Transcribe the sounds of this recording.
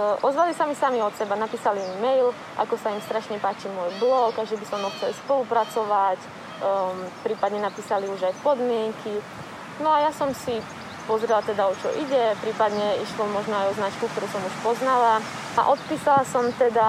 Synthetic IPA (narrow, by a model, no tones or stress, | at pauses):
ʔɔzʋalisamisamiɔt̪sɛbanapiːsalimimɛjl | ʔa̰kɔsaimst̪ɾaʃɲɛpaːt͡ʃimʊɔːjblɔɡaʒɛbisɔmɔxt͡sɛlspɔlupɾat͡sɔʋac | pɾiːpad̪ɲɛnapiːsaliuʒajpɔd̪mɪɛŋkʰi | nɔajasɔmsi | pɔzɾɛlat̪ɛd̪aɔt͡ʃɔ̰ʔiɟɛpɾiːpad̪ɲɛiʃlɔmɔʒnɔajɔznat͡ʃkuk̚t̪ɔɾuːsɔmuʃpɔznala | a̰ʔɔt̪piːsalasɔmt̪ɛd̪a